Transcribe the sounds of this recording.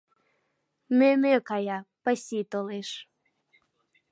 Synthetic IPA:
memøkɑjɑpasʲit̪oleʃ

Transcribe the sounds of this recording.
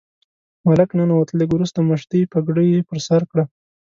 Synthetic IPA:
malaknənawat̪leɡwɾust̪aməʃt̪ipaɡɽəjepəɾsaɾkɽa

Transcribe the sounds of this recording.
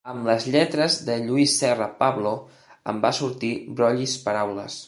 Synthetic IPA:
əmləzʎɛt̪ɾəzðəʎuisːɛrəpaβlo | əmbasuɾt̪ibɾɔʎispəɾawlə̰s

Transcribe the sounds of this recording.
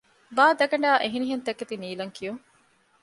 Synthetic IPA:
baːd̪ɐɡɐɳɖaːʔeɦiniɦent̪ɐkːet̪iniːlɐŋkijuŋ

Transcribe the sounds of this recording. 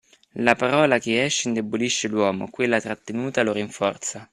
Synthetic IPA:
lapaɾɔːlakeɛʃːind̪ebːoliʃːelwɔːmo̰kwelːat̪ɾat̪ːenuːt̪aloɾiɱfɔrt̪sa

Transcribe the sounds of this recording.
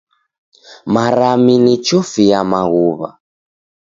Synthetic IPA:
maɾaminit͡ʃɔfijamaɣuβa̰

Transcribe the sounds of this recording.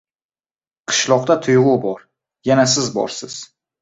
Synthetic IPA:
qʰɨ̥ʃlˠɒq̚t̪at̪ʰʊjʁʊbɒɾ | janasɪzbɒ̰ɾsɪz̥

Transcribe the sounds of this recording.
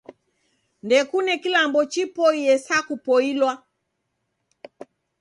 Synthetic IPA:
ndɛkunɛkilambɔt͡ʃipɔiɛsakupɔilwa

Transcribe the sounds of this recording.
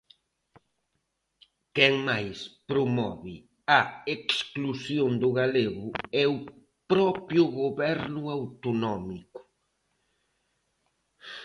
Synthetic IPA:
kɛŋmajspɾʊmɔ̰βɪ | ɐeksklusjond̪ʊɣaleɣʊɛʊ | pɾɔpjʊɣoβɛɾnʊawt̪ʊnɔmikʊ̥

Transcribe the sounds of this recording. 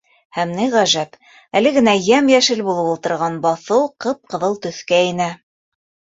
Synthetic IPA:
hæmnɘʁæʒæp | ælɘ̆ɡɘ̆næjæmjæʃɘlbulˠɤwulˠt̪ɤ̆ɾʁɑnbɑθɤwqɤp̚qɤ̆ðɤlˠt̪ɵ̆θkæinæ

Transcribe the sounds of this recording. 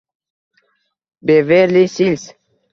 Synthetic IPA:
beveɾlisils

